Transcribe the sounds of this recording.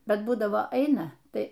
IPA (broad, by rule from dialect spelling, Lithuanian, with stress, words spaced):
ˈbʲɛt ˈbuːdɐʋoː ˈɐɪnɐ ˈtɐɪ